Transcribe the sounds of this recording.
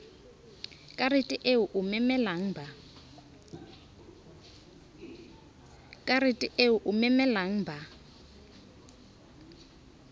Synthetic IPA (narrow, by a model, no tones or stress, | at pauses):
kʼaritʼiʔeuʔumɛmɛlaŋ̩bʱa | kʼaɾitʼiʔeuʔumɛmɛlaŋ̩bʱa